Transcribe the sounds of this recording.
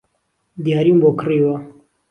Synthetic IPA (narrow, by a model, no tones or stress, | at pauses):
d̪ijaːɾiːmbokɨreːwa